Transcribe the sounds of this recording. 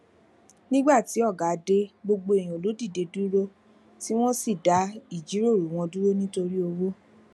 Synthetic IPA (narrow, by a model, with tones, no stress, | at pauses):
nĩ˦ɡ͡ba˦˨ti˨˦ɔ˦˨ɡa˨˦de˦ɡ͡bo˧ɡ͡bo˧e˨j̃ĩ˨o˨lo˨˦di˦˨de˨˧du˦ɾo˦ | ti˦w̃ɔ̃˦si˦˨da˨˦i˦˨d͡ʒi˨˦ɾo˦˨ɾu˨˦w̃ɔ̃˧du˦ɾo˦nĩ˦to˧ɾi˦o˧wo˦